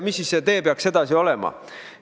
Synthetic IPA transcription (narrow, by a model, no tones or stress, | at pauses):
misːisːe̞t̪e̞ːpeɑkse̞d̪̥ɑsio̞le̞mɑ̰